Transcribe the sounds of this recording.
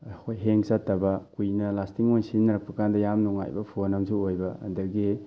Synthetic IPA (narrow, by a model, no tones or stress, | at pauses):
ɐkʰojɦeŋsatːɐbɐkujnɐlastiŋojsinnɐɾɐk̚pɐkʰandɐjamnuŋa̰jbɐpʰonɐmsuojbɐɐ̰ndɐɡi